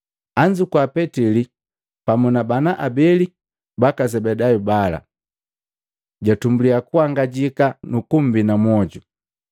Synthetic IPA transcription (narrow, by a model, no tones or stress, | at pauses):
aɲd͡ʒukwapɛtili | pamunabanaʔabɛli | bakazɛbɛdajubala̰ | ɟatumbuliakuaŋɡaɟikanukum̩binamwɔɟu